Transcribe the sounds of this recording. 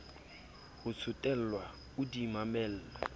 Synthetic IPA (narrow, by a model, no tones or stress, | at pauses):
hʊt͡sʰʊtʼɛl̩lwa | ʊdimamɛːl̩ːla